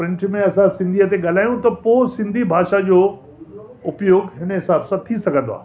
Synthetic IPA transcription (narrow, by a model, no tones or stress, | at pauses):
pɾɪ̃ɳʈmẽɐsãsɪ̃nd̪ʱiət̪̬eɠal̤aːjũt̪ɐpoːsɪ̃nd̪ʱibʱaːʃad͡ʑoː | ʊpjoːɡɦɪnəɦɪsaːbsãt̪ʰisɐɡʱə̃nd̪o̰a̰ː